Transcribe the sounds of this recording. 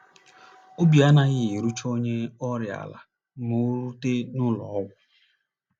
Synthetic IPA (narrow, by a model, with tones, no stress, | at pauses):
o˦bi˨a˦na˦ɣɪ˦i˨ɾu˦t͡ʃo˦ɲe˦ɔ˦ɾja̰˨la̰˨ | nʊ˨˦ɾu˦te˦nʊ˦lɔ˨ɔ˦ɡʷʊ˦